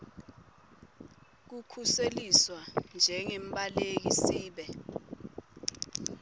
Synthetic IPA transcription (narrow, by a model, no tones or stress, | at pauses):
k̬ukʰuseliswand͡ʒʱɛŋɛmbʼalek̬isiːɓɛ